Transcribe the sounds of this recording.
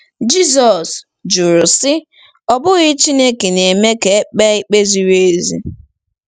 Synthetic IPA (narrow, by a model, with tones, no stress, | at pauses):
d͡ʒi˦zɔ˨s | d͡ʒʊ˨ɾʊ˨sɪ˦ | ɔ˨bʊ˦ɣɪ˦t͡ʃi˦ne˦ke˨ne˨me˦ke˨˦k͡pe˦ɪ˦k͡pe˦zi˨ɾe˦e˦zḭ˦